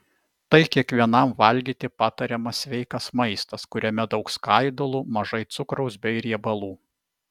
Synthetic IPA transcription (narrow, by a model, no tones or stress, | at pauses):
t̪ɐɪkʲiɛkʋʲiɛnɐmʋɐlʲɡʲiːt̪ʲɪpɑːt̪ɐɾʲɛmɐsʲʋʲɛɪkɐsmɐɪst̪ɐskʊɾʲɛmʲɛd̪ɒʊkskɑˑɪd̪olˠumɐʒɐɪt̪sʊkɾɒʊsbʲɛɪɾʲiɛbɐlˠuː